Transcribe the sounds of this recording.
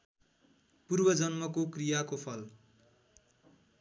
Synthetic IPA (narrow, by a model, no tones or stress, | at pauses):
purbʌd͡zʌnmʌkokrijakopʰʌl